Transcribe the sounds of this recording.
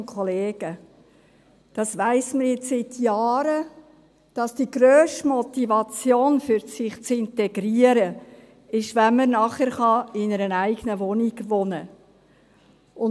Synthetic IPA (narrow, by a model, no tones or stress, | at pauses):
kʰɔleːɡ̥ə | d̥ɑsʋæɪsməɾjɪt͡ssɪtjɑːɾə | d̥ɑsd̥iɡ̥ɾøːʃtmɔt̪ivɑt͡sjoːnfʏɾsɪχt͡sɪnt̪ɛɡɾiəɾə | ɪʃʋænməɾnɑχəɾχɑɪnəɾənæɪɡ̥ənəʋɔniɡ̥ʋɔnə | ʊn